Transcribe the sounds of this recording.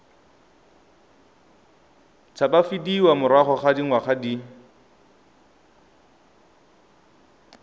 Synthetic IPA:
t͡sʰabafidiwamʊɾwaχɔχadiŋ̩waχadi

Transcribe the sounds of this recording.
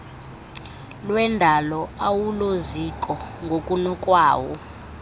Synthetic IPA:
lwɛndʱalɔawulozikʼɔŋɡʱokʼunɔkʼwaːwɔ

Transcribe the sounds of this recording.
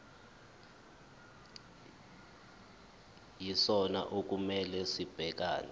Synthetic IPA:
jisɔna̰ʔok̬umɛlɛsib̥ʱɛk̬a̰ːnɛ

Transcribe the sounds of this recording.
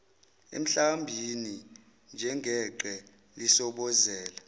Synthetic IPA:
ḛm̩ɬambʱini | nd͡ʒʱɛŋʱɛǃɛ | lisɔɓɔzɛːla

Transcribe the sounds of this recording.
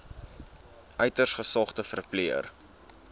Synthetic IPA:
ʔœɥtərsχəsɑχtəfərpliər

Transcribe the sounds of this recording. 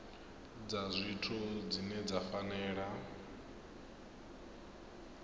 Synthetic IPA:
d͡zazʷitʰɔd͡zinɛd͡zafanɛːɺa

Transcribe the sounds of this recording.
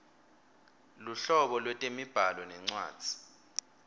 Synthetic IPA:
luɬɔɓɔlwɛtʼemib̥ʱalɔnɛŋ͡ǀwa̰ːd̥z̥ʱi̥

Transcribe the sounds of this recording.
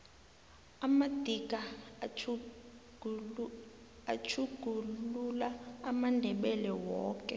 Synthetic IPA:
amad̥ʱiɡʱʼa | ɡʱ | at͡ʃʰuɡ̥ʱululaːmandʱɛɓɛlɛwɔ̰ːkʼɛ

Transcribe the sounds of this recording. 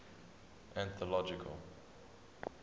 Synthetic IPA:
æ̃nθɔlɔd͡ʒɪkʰə̰lˠ

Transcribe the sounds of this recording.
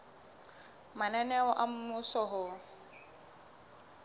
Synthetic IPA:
manɛnɛɔʔam̩mʊsɔɦʊ

